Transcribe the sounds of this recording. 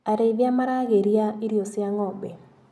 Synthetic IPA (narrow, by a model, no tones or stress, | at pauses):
aɾeðjamaɾaɣeɾjaiɾjosɪaŋɔbɛ